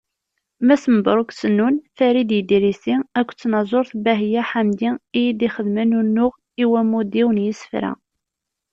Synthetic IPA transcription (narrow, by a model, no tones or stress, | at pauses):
mæsəməbɾˤoksənːunθæɾid̪jəd̪iɾisiækʷːt͡sːnɑzˤoɾθbæɦjæħamd̪iijid̪iχəðmənunːʊʁ | iwæmud̪iwənjəsə̥fɾæ̰